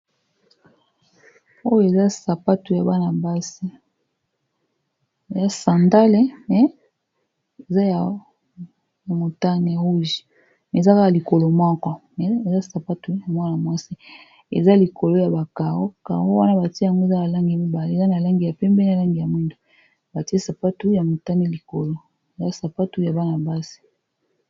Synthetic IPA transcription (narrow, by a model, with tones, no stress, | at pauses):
o˦jo˦e˨za˦sa˨pa˦tu˨ja˨ba˦na˨ba˦si˦ | e˨za˦sa˨nda˦le˦mɛ˨ | e˨za˦ja˨ | ja˨mo˨ta˦ni˨ja˨u˦ʒi̥˨ | me˨za˦ka˦ka˨li˨ko˨lo˨mwa˦kɔ˨mɛ˨e˨za˦sa˨pa˦tu˨˦ja˨mwa˦na˨mwa˦si˦ | ḛ˨za˦li˨ko˨lo˦ja˨ba˨ka˨ɣo˦ka̰˨ɣo˦wa˦na˦ba˨ti˦ja˨ŋɡo˦e˨za˦ja˨la˦ŋɡi˨ja˨mi˦ba˨le˦˨za˦na˨la˦ŋɡi˨ja˨pɛ˦mbɛ˦n˨a˨la˦ŋɡi˨ja˨mwi˦ndo˨ | ba˨ti˦e˦sa˨pa˦tu˦ja˨mo˨ta˦ni˦li˨ko˨lo˦ | e˨za˦sa˨pa˦tu˦ja˨ba˦na˨ba˦si̥˦